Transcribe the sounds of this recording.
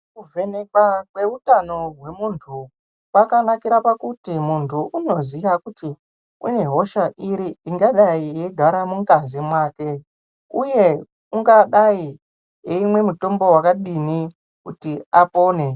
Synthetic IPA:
kuve̞nekwakwe̞utano̞rwe̞muntʰu | pakanakiɾapakutimuntʰuʔuno̞ziʋakuti | ṵne̞ɦo̞ʃaʔiɾiiŋɡaɗaije̞ɡʱaɾamuŋɡazimwaːke̞ | uje̞ | uŋɡaɗai | jeimwe̞muto̞mbo̞wakaɗini | kutiapo̞ːne̞

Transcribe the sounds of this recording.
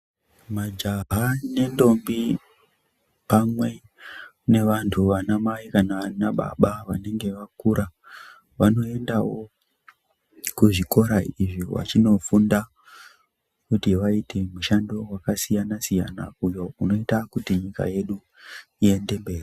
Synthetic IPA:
mad͡ʒaɦane̞ndo̞mbi | pamwe̞ | ne̞ʋantʰuʋanamaikanaanaɓa̰ɓaʋane̞ŋɡe̞ʋakuɾa | ʋano̞e̞ndawo̞ | kuʐiko̞ɾaiʐiwa̰t͡ʃino̞funda | kutiʋaitʰe̞muʃando̞wakasijanasija̰na̰ujo̞uno̞itakutiɲika̰je̞ɗu | ie̞nde̞mbe̞ːri

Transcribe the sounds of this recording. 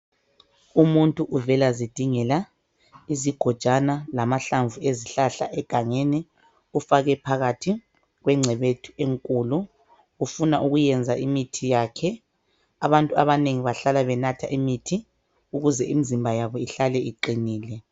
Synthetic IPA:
umuntʼuʔuvɛlazid̥ʱiŋɛla | iziɡ̥ʱɔd̥ʒ̥ʱanalamaɬaɱvʱueziɬaɬa̰ʔɛɡ̥ʱaŋeni | ufaɣɛpʰaɣatʰi | ɣwɛŋ͡ǀʱɛβetʰu̥eŋkʼuːlu | ɣufunaʔuɣujɛnd͡zʱaʔimitʰijakʰɛ | aβantʼuaβaneŋiβaɬalaβɛnatʰa̰ʔimitʰi | uɣuzɛʔimizimbʱajaβɔiɬalɛiǃiniːlɛ

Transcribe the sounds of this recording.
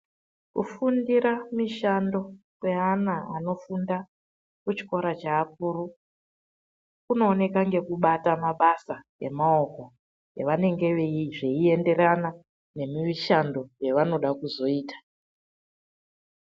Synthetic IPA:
kufundiɾamiʃando̞kwe̞anaano̞funda | kut͡ʃi̥ko̞ɾat͡ʃaːp̚uɾu | kuno̞ːne̞kaŋɡe̞kuɓatamaɓasa | e̞̰mao̞ko̞ | jeʋane̞ŋɡe̞ʋeiʐe̞ie̞nde̞ɾana | ne̞miʋiʃando̞je̞ʋano̞ɗakuzo̞iːtḁ

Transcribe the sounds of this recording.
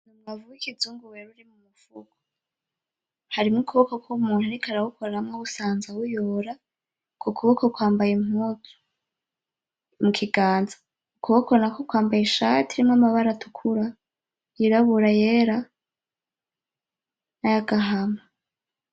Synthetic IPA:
numwavuwikid͡zuːŋɡuweɾuɾimumufṵɡ̥o̥ | haɾimŋokuβokokʰumuːn̥haɾikʰaɾahukʰoɾɾamŋousaːnzawujoɾa | kʰokʰuβokokwaːmbajimhuːtu̥ | mukʰiɡaːnzḁ | ukuβokonakokwaːmbajiʃatiɾimŋamaβaɾatʰukʰuɾa | jiɾaβuɾajeɾa | najaɡaɦama

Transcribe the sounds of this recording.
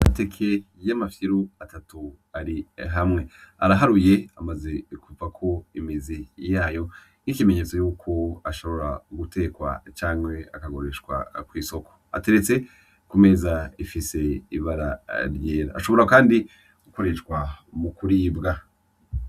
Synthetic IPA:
ate̞kʰe̞ | jamafiɾuatatu | aɾiɦamŋe̞aɾaɦaɾuje̞amaze̞kuvakʰo̞imizijaːjo̞ | nikime̞ɲe̞t͡so̞juːkʰo̞aʃo̞βo̞ɾaɡute̞ːkwa̰t͡ʃaːŋwe̞akaɡo̞ɾe̞ʃkwa̰kwiːso̞ko̥a̰te̞ɾe̞t͡se̞ | kume̞ːzaifise̞ḭβaɾa̰ɾjeːɾa̰ːʃo̞βo̞ɾakaːndi | uko̞ɾe̞ʃkwamukuɾiːbɡa

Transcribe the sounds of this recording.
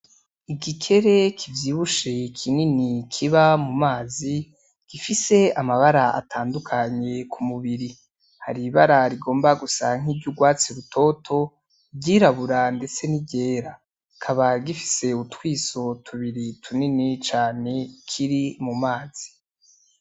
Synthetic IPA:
iɡikʰe̞ɾe̞kʰivjiːβuʃekʰininikʰiβamumaːzi | ɡ̥ifise̞amaβaɾaa̰tʰaːndukʰaɲe̞kʰumuβiɾi | ha̰ɾiβaɾaɾiɡo̞ːmbaɡusaŋ̥iːbɟuɡwaːt͡siɾutʰo̞tʰo̞ | ɟiɾaβuɾande̞t͡se̞niɟe̞ːɾa | kʰaβaɡifi̥se̞utwiːso̞tʰuβiɾitʰuninit͡ʃaːne̞kʰiɾimumaːz̥i̥

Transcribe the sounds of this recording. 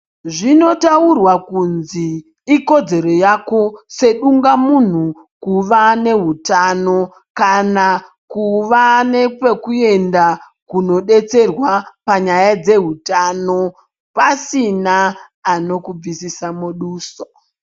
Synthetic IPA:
ʐino̞taurwakunziː | ko̞d͡ze̞ɾo̞jako̞se̞ɗuŋɡamun̤u | kuʋane̞ɦutano̞ | kana | kuʋane̞pe̞kue̞nda | kuno̞ɗe̞t͡se̞rwapaɲajad͡ze̞ɦutano̞ | pasinaː | no̞kub͡visisamuɗuːso̥

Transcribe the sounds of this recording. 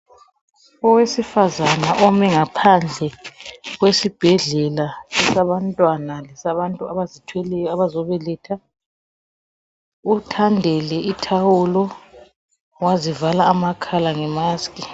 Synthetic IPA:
ɔwesifazanaʔɔmɛŋapʰand͡ɮʱɛɣwesib̥ʱɛɮɛlaɛsaβantʼwanalɛsaβantʼuaβazitʰwɛlɛjɔaβazɔβɛlɛːtʰa | utʰandʱɛlɛitʰawulɔ | wazivalaːmakʰalaŋɛmaskʼi

